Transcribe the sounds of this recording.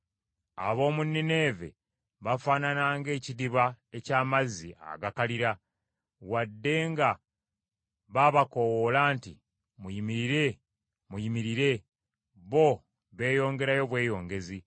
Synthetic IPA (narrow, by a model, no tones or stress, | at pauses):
a̰βo̞ːmunːine̞ːve̞̰ | βafaːnanaːŋɡe̞ːcidiβa | e̞caːmazia̰ɡakaliɾa | wadːe̞ŋɡa | βaβako̞wolaːntḭ | mujimiɾiɾe̞ | mujimiɾiɾe̞ | βo̞ | βe̞ːjo̞ːŋɡe̞ɾajo̞βwe̞ːjo̞ːŋɡe̞zi